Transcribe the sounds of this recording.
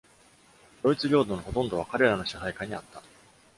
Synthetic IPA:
ɾo̞it͡sɨɾʲo̞ːd̪o̞noho̞t̪õ̞nd̪o̞β̞akaɾe̞ɾano̞ɕahaikaɲ̟iat̪ːa

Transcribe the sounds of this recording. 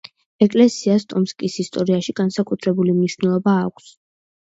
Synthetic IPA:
ɛkʼlɛsiast̪ʼɔmskʼisist̪ʼɔɾiaʃiɡ̥ansakʼut̪ʰɾɛbulimniʃwvnɛlˠɔbaːkʷʰs

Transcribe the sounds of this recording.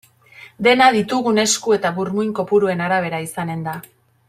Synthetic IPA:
d̪e̞naðit̪uɣune̞skue̞t̪aβuɾmujŋko̞puɾue̞naɾaβ̞e̞ɾaisane̞nd̪a

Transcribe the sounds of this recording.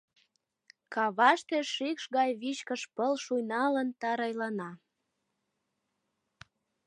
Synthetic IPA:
kɑβɑʃt̪eʃikʃɣɑjβiɕkəʃpəlʃujnɑlənt̪ɑɾɑjlɑnɑ

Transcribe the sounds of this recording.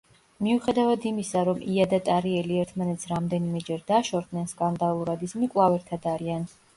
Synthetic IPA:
miuχɛd̪avad̪imisaɾɔmʔiad̪at̪ʼaɾiɛliɛɾt̪ʰmanɛt̪sʰɾamd̪ɛnimɛd͡ʒɛɾd̪aʃɔɾd̪nɛnskʼand̪alˠuɾad̪ismikʼlˠavɛɾt̪ʰad̪aɾian

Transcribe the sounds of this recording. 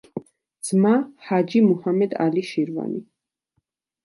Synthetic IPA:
d̪z̥mahad͡ʒimuhamɛd̪a̰liʃiɾva̰ni

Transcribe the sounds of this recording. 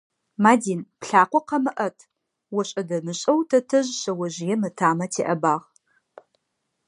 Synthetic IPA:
maːdiːnpɬaːqʷɔqɐmɨʔɐtʰ | wɔɕʼɐdɐmɨɕʼɐwtʰɐtʰɨʒɕɐwɐʒɪjɛmɨtʰaːmɐtʰeːʔɐbaːʁ

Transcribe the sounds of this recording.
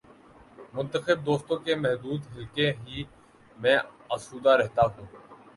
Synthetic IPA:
mʊnt̪əxɪb̚d̪oːst̪õːkeːmɛɦd̪uːd̪ɦɪlkẽːɦiː | mɛ̃ː | əsuːd̪aːɾɛɦt̪aːɦũː

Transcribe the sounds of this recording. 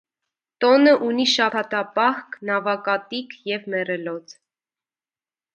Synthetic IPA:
t̪ɔnəʔuniʃɑpʰɑt̪ɑpɑhknɑvɑkɑt̪ikʰjɛvmɛrɛlɔt͡s

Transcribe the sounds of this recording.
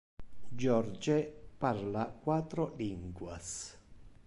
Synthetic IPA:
d͡ʒɔrd͡ʒeparlakwaːt̪ːɾoliŋɡwas

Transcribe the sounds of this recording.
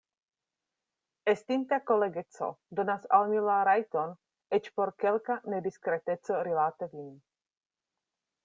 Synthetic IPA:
est̪int̪ako̞leɡet͡so̰d̪o̞nasalmilaɾajt̪on | et͡ʃpoɾkelkaned̪iskɾet̪et͡soɾilat̪evin

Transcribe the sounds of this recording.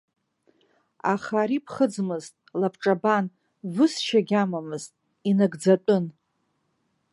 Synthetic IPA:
a̰χaɾipʰχəd͡zmɨztʼlapʰʈ͡ʂʼaban | vɨsʃaɡʲamamɨztʼ | inɨɡd͡zatʷʼʊn

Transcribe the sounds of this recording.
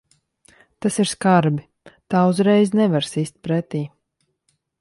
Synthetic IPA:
t̪asiɾskaɾbi | t̪aːuzɾɛjznɛvaɾsist̪̚pɾɛt̪iː

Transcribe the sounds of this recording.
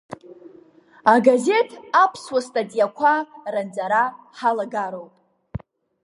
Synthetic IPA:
aɡaze̞tʰapʰswastʼatʼijakʷʰarant͡sʼaɾa | ħalaɡaɾo̞wpʼ

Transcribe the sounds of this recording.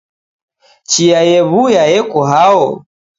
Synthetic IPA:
t͡ʃijajɛβujajɛkɔɦaɔ

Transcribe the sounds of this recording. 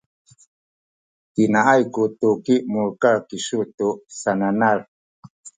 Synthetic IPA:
tinaʔajkut̪ukiʔmuɾkakiʃut̪uʔsananaɾ

